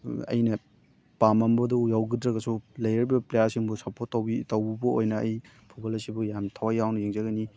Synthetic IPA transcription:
ɐ̰jnɐ | pamɐmbɐdujawɡidɾɐɡɐsulɐjɾɾibɐplejasiŋbusɐpʰotːɐwbitɐwbubɐojnɐɐj | pʰubalɐsibujamtʰawajawnɐjeŋzaɡɐni

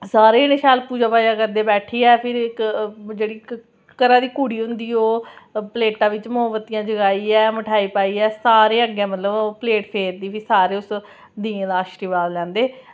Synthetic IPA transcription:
saːɾeːnɪʃaːlpuːd͡ʒaːpaːjãːkəɾd̪eːbɛːʈʰiːɛːpʰɪɾɪkd͡ʒeːɽiː | kəɾãːd̪iːkuːɽiːɦʊ̃nd̪iːoːpəleːʈãːʋɪt͡ʃmoəʋət̪ijãːd͡ʒəɡaːiːɛːməʈʰaːiːpaːiːɛːsaːɾeːəɡjãːmət̪ləbpleːʈpʰeːɾd̪iːʋisaːɾeːʊs | d̪ĩːd̪aːʃɾiːʋaːllɛ̃ːnd̪eː

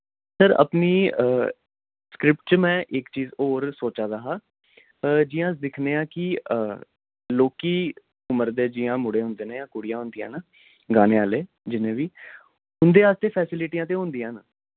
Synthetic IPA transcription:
səɾə̰pniː | skɾɪp̚ʈt͡ʃəmɛ̃ːʔɪkt͡ʃiːzoːɾsoːt͡ʃaːd̪aɦaː | d͡ʒɪjãːsd̪ɪkʰneːãːkɪə | loːkiː | ʊməɾd̪eːd͡ʒɪjãːmʊɽeːɦʊ̃nd̪eːnãjãːkʊɽijãːɦʊ̃nd̪ijãːnaː | ɡaːneːaːleː | d͡ʒɪnẽːʋiː | ɦʊnd̪eːaːst̪eːpʰɛːsɪlɪʈijãːt̪̬eːɦʊ̃nd̪ijãːnaː

